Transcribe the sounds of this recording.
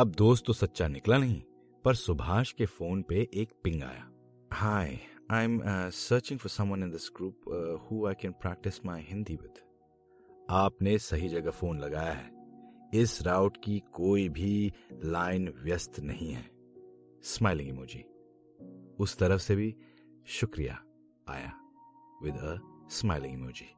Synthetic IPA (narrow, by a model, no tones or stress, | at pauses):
ɐb̚d̪oːst̪tːosɐtːʃanɪklanɐɦĩ | pɐɾsʊbʱaːʃkefoːnpeʔeːk̚pɪ̃ŋɡa̰ːja̰ː | haːɪãɪ̃msəːɾt͡ʃɪ̃ŋfɔɾsɐ̃mwɐ̃nɪ̃nd̪ɪsɡɾuːphuːaɪkɛ̃npɾæːk̚ʈɪsmaɪɦɪ̃nd̪iwɪ̰d̪̥ | aːpnesɐɦid͡ʒɐɡafoːnlɐɡaːjaɦɛːɪsɾaʊʈkikoːibʱilaːɪnʋjəst̪nɐɦĩɦɛ̰ː | smaːɪlɪ̃ŋimoːd͡ʒiː | ʊst̪ɐɾəfsebʱi | ʃʊkɾija̰ | a̰ːja̰ | ʋɪd̪əsmaɪlɪ̃ŋɡmoːd͡ʒiː